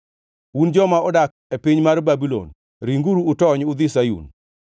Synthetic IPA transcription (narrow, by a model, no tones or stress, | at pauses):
wund͡ʒɔmaɔdak̚ | epiɲmaɾbabilo̰n | ɾiŋɡuɾuːtɔɲʊd̪isajṵn